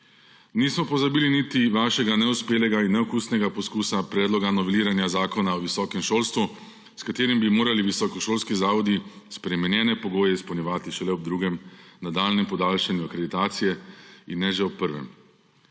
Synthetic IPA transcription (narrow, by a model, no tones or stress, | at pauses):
niːsmɔpɔzabiːlinit̪iʋaːʃɛɡanɛuspeːlɛɡainːɛɔkuːsnɛɡapɔskuːsapɾɛːd̪lɔɡanɔʋɛliːɾanjazaːkɔnaɔʋisɔːkɛmʃoːlst̪ʋu | skat̪eːɾimbimoːɾaliʋisɔkɔʃoːlskizaːʋɔd̪ispɾɛmɛnjɛːnɛpɔɡoːjɛispɔwnjɛʋaːt̪iʃɛlɛɔb̚d̪ɾuːɡɛmnad̪aːlnɛmpɔd̪aːlʃanjuakɾed̪it̪aːt̪sijɛinːɛʒɛɔpːəɾʋɛ̰m